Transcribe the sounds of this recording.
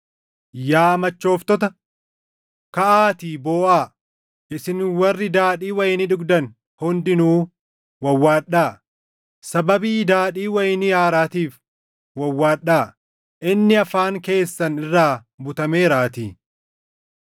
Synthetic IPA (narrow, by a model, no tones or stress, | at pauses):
jaːmɐt͡ʃːo̞ːft̪ɔt̪ɐ | kɐʔaːt̪iːboːʔaː | ʔɪsɪnwɐrːɪd̪aːᶑiːwɐjɪnɪᶑʊɡd̪ɐn | hʊnd̪ɪnuː | wɐwːaːɗːaː | sɐbɐbiːd̪aːᶑiːwɐjɪnɪjaːɾaːt̪iːf | wɐwːaːᶑaː | ʔɪnːɪɐfaːŋke̞ːsːɐnɪrːaː | bʊt̪ɐmeːɾaːt̪iː